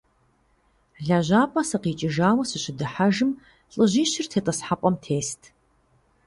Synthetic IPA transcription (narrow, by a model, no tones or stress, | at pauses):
ɮaʑaːpʼɐsɐqiːt͡ʃʼɪʒaːwɐsɨɕɪdɨħaʒɨm | ɬʼɨʑiːɕɪrtʰeːtʼɐsħapʷʼɔmtʰeːstʰ